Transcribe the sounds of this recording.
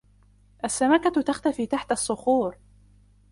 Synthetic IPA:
ʔasːamakat̪axt̪afiːt̪aħt̪asˤːʊxuːɾ

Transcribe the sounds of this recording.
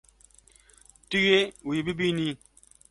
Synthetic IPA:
tiɣewibibini

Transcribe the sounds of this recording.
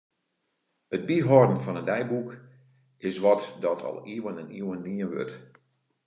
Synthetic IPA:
ət̚biɦɔrdən̩fɔnəndɛjbuk | ɪsʋɔtdɔtʰɔ̰lˠiəwənɛniwənniənʋø̰t

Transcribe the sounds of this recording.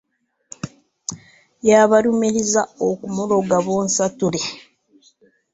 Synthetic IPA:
jaːβaɾumiɾizaokumulo̞ɡaβoːnsatule

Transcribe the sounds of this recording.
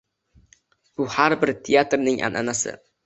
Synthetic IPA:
b̥ʊhaɾbɪɾt̪ʰejat̪ɾnɪŋʔa̰nʔa̰nasɪ̰

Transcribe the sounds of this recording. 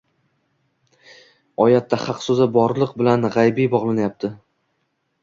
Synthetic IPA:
ɒjat̪ʰːaχɑqsɵzɪbɒɾlˠɨq̚bɪlanʁajbijbɒʁlˠanajap̚t̪ʰɪ

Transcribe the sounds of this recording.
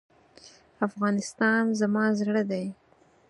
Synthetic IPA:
afɣɑnɪst̪ɑnzamɑzɽəd̪aj

